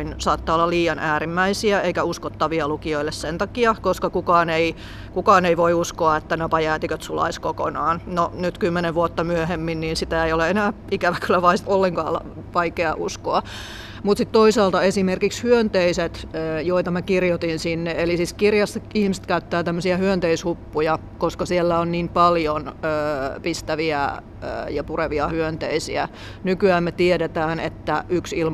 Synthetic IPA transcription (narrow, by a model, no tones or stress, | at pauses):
insɑːt̪ːɑolːɑliːjɑnʔæːrimːæisiæeikæuskot̪ːɑʋiɑlukioilːessent̪ɑkiɑkoskɑkukɑːnei | kukɑːneiʋoiuskoɑet̪ːænopɑjæːt̪ikøt̪sulɑ̰iskoko̰nɑːnnonyt̪kymːeneʋʋuot̪ːɑmyøhemːinniːnsit̪æejoleenæː | ikæʋækylːæʋɑist̪olːeŋkɑ̰ːlɑ̰ | ʋɑikeɑ̰ʔuskoɑ | mut̪sit̪t̪oisɑːlt̪ɑesimerkikshyønt̪eiset̪ːjoit̪ɑmækirjot̪insinːeelisiskirjɑsːɑihmist̪̚kæyt̪ːæːt̪æmːøsiæhyønt̪eishupːujɑ | koskɑsielːæonniːmpɑljonøːpist̪æʋiæ | ə̰ːjɑpureʋiɑhyønt̪ḛisḭæ | nykyæːmmet̪ieɾet̪æːnḛt̪ːæʔyksilm